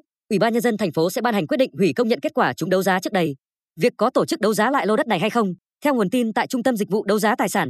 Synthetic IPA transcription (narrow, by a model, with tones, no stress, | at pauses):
ʔwi˧˩ɓaː˧ɲə˧nzə˧nt̪ʰɛ˨˩ŋ̟fo˨˦sɛ̰˧˥ɓaː˧nha˨˩ŋ̟kt̚ɗḭ˧˨ŋ̟hwi˧˩kə˧wŋ͡mɲə̰˧˨nke˦˥t̚kwaː˧˩t͡ɕʊ˨˦ŋ͡mɗə˨˦wzaː˨˦t͡ɕk̚ɗə˧j | vi˨˩ək̚ːɔ˨˦t̪o˧˩t͡ɕɨ˦˥k̚ɗə˨˦wzaː˨˦la̰ː˧˨jlo˧ɗə˦˥t̚na˨˩jɦa˧jxə˧wŋ͡m | t̪ʰɛ˧wŋ͡mu˨˩ənt̪i˧nt̪a̰ː˧˨jt͡ɕʊ˧ŋ͡mt̪ə˧mzi˨˩vṵ˧˨ɗə˨˦wzaː˨˦t̪aː˨˩jsaː˧˩n